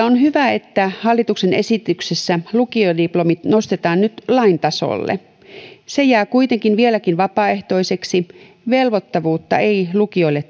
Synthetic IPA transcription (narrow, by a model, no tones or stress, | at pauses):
onɦyʋæe̞t̪ːæhɑlːit̪ukse̞ne̞sit̪yksesːælukiodiplo̞mit̪no̞st̪et̪ɑːnnyt̪lɑint̪ɑso̰lːḛ | se̞jæːkujt̪e̞ŋkinʋielækinʋɑpɑːe̞ht̪o̞ise̞ksi | ʋe̞lʋo̞t̪ːɑʋuːt̪ːɑ̰eijlukio̞ilːe